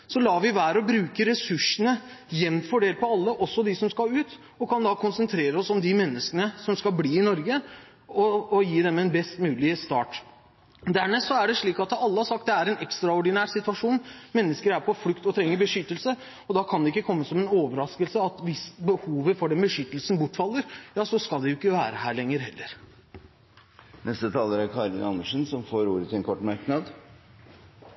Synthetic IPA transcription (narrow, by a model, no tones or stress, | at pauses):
sɔlɑːʋɪʋæːɾəɔbɾʉːkəɾɛsʉʂːənəjɛnfɔɖeːlpʰɔɑlːəʔɔsːɔd̪ɪsɔmskɑʉːt̪ | ɔkʰɑnd̪ɑkʰʊnsənt̪ʰɾeːɾəɔsɔmd̪ɪmɛnːəskənəsɔmskɑlbliːɪnɔɾɡə | ɔːjiːd̪ɛmɛnbɛst̪mʉːlɪst̪ɑ̰ːʈ | d̪æɳɛsɔæɖɛʂɭiːkɑt̪ɑlːəhɑɾʂsɑk̚t̪̚d̪ɛæɾɛnɛkst̪ɾɑɔɖɪnæːɾsɪt̪ʋɑʂuːnmɛnːəskəɾæɾpʰɔfɽʉkt̪ɔt̪ʰɾɛŋːəɾbəʂʏt̪ːəlsə | ɔd̪ɑkʰɑnd̪ɛɪkːəkʰɔmːəsɔmɛnoːʋəɾɑskəlsəɑt̪ʋɪsbəhuːʋəfɔɖɛnbəʂʏt̪ːəlsn̩bʊʈːfɑlːəɾjɑːsɔskɑlˠd̪ɛjʊɪkːəʋæːɾəɦæːɭɛŋːəɾhɛlːəɾ | nʔɛst̪ət̪ʰɑːləɾæɾkʰɑɾɪ̰nʔɑ̰nːəʂənsɔmfoːɾuːɾət̪ɪlɛnkʰɔʈːmɑɾknɑd̪